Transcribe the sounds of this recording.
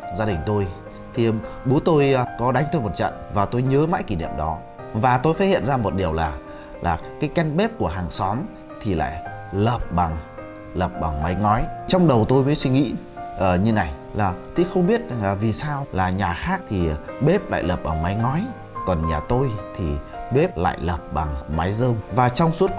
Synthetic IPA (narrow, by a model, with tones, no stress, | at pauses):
zaː˧ɗï˨˩ŋ̟t̪o˧j | t̪ʰi˨˩ɓu˨˦ət̪o˧jkɔ˨˦ɗa˨˦jŋt̪o˧jmo˨˩t̚t͡ɕə̰˧˨nvaː˨˩t̪o˧jɲəː˨˦ma̰ː˧˥jki˧˩nḭ˧˨əmɗɔ˨˦ | vaː˨˩t̪o˧jfaː˨˦˥t̚hḭ˧˨ə˨nzaː˧mo˨˩t̚ɗi˨˩əwlaː˨˩ | lʔaː˨˩kaː˨˦jka˧jŋɓe˦˥p̚ku˧˩əɦaː˨˩ŋsɔ˨˦m | t̪ʰi˨˩la̰ː˧˨jləː˨˩p̚ɓa˨˩ŋ | ləː˨˩p̚ɓaː˨˩ŋma˨˦jŋɔ˨˦jt͡ɕɔ˧wŋ͡mɗə˨˩wt̪o˧jməː˨˦jswi˧ŋḭ˧˥ | ʔəː˨˩ɲɨ˧na˨˩j | laː˨˩t̪ʰi˨˦xə˧wŋ͡mɓi˦˥ət̚zŋlaː˨˩vi˨˩saː˧wlaː˨˩ɲaː˨˩xaː˦˥k̚t̪ʰi˨˩ɓe˦˥p̚la̰ː˧˨jləː˨˩p̚ɓaː˨˩ŋma˨˦jŋɔ˨˦j | kɔ˨˩nɲaː˨˩t̪o˧jt̪ʰi˨˩ɓe˦˥p̚la̰ː˧˨jləː˨˩p̚ɓa˨˩ŋma˨˦jzəː˧mvaː˨˩t͡ɕɔ˧wŋ͡msu˦˥t̚